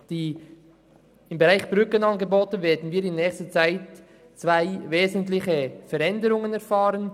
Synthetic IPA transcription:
d̥iː | ɪmbeɾaɪxb̥ʁʏkənɑnɡeboːtnveːɐdn̩viːɾɪnːɛːçstət͡saɪt | t͡svaɪveːzəntlɪçəfɛɾɛndəɾʊŋənɛɾfaːɾən

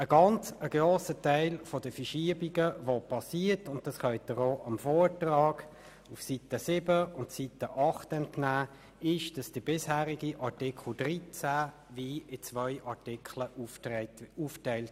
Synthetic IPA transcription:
əɡɑnt͡səɡ̥roːsətæɪlfɔdəfəʃiəbiɡəvopʰɑsiətʊnt̚dɑsχœʏtːəʁoːʔɑmfɔːɹtrɑːɡ̥ | ufsit̪əsɪbəʊntsit̪əʔɑχtɛntnæː | ɪʃd̥ɑsd̥əb̥ɪshæːɾiɡiʔɑtɪkʰχl̩drit͡sæ | viːɪt͡svœʏʔɑɹtɪkχlə | uːftæɪlt

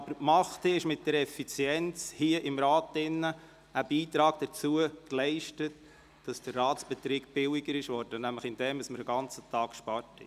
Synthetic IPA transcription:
ɑbəɾmɑχtɪʃmɪt̚d̥ɛɾɛfit͡sjɛnt͡shiəʔɪmɾɑːtɪnːə | əb̥iːtɾɑːɡ̥d̥ət͡suəklɛɪʃtət | d̥ɑsd̥ərːɑːtsb̥ɛtɾiːkb̥ɪlɪɡəɾɪʃʋɔɾd̥ənæmləχɪnd̥ɛməsməɾəɡɑnt͡sət̪ʰɑːkkʃpɑɾthɛ

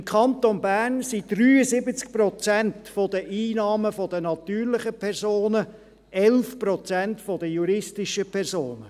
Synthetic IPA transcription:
ɪmkʰχɑnt̪onbæːrnsid̥ryːəsɪbət͡sk̚pɾɔt͡sæntfɔd̪əʔiːnɑːməfɔd̥ənɑt̪yːɾlɪχəpʰɛrsoːnə | ɛlfpɾɔt͡sæntfɔd̥əjuɾɪstiʃəpʰɛrsoːnə

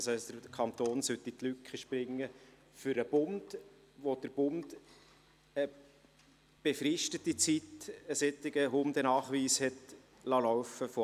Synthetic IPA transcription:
sɛsd̥əɾkʰɑnt̪oːnsøt̪itlykχəʃpɾɪŋːə | fʏɾəb̥ʊnd̥ | ʋod̥əɾb̥ʊnd̥ | ə | b̥efrɪʃtətit͡sitəset̪ːɪɡəɦʊnd̥̪ənɑːχʋiːshɛt | lɑːlɔʊfəfo

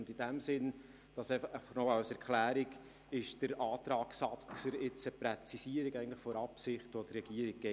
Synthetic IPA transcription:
ndid̥æmsɪn | d̥ɑsɛχnɔɑwsɛɾkχlæːɾiɡ | ɪʃd̥əɾɑːt̪ɾɑːksɑt͡səɾɪt͡səpɾɛt͡sisiəɾikæɪəntlɪχfɔɾɑpsɪχtʋɔd̥ərːɛɡ̥iəɾiɡ̥̚ɡɛ

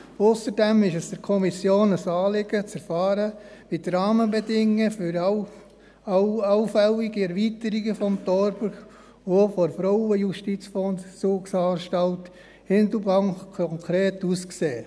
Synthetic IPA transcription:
ʊsəɾdɛmɪʃɛsd̥əɾkʰɔmisjoːnəsɑːlɪɡ̥ət͡sɛɾfɑːɾəʋitɾɑːməbɛdɪŋːəfʏɾɑ | ɑwfɛliɡ̥iɛɾʋiːtəɾiɡəfɔmtɔɾbəɾ | ʋofɔɾfɾɔwəjuʃtit͡sfɔnt͡suːksɑːnʃtɑlt | hɪnd̪əbɑŋkʰɔŋkʰɾeːtuskseː

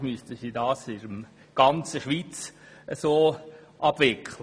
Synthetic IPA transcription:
mystəsiːdɑːsɪɾəm | ɡ̥ɑnt͡səʃʋiːt͡s | əsoː | ʔɑb̥ʋɪkʰχlə

